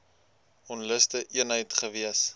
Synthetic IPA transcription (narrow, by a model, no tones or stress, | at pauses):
ɔnləstəʔiənɦəjtχəviəs